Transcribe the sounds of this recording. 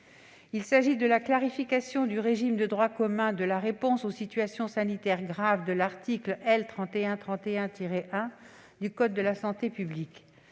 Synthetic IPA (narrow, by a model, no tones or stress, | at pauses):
ilsaʒid̪əlaklaʁifikasjɔ̃d̪yʁeʒimd̪əd̪ʁwakɔmɛ̃d̪əlaʁepɔ̃sosit̪ɥasjɔ̃sanit̪ɛʁɡʁavd̪əlaʁt̪iklɛlt̪χɑ̃t̪eɛ̃t̪χɑ̃t̪eɛ̃t̪iʁeʔɛ̃ | d̪ykɔd̪̚ːəlasɑ̃t̪epyblik